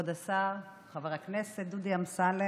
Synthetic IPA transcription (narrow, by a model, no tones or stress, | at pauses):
od̪asaʁ | χaveʁakneset̪̚d̪ud̪iamsale